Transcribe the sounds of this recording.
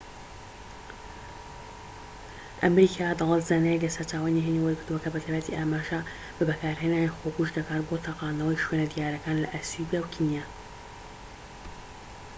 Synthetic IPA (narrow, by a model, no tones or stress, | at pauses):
ʔɐmɾikʰaːd̪ɑlˠət̪zaːnajɛklɐsɐɾt͡ʃaːwaniɦeniwɐjkɨɾd̪uwɐkɐbɐt̪ʰaːjbat̪ʰiʔaːmaːʒɐ | b̥ɐbɐkaːɾɦeːnaːnixokuʃd̪ɐkaːt̪bot̪ʰaqɑːnɐwɐjʃwenɐd̪jaːɾɐkaːnlɐ̰ʔasubijawkʰinijaː